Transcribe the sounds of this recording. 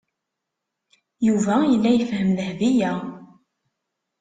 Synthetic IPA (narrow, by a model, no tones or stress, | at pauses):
juvæəlːæjəfɦəmlhðijæ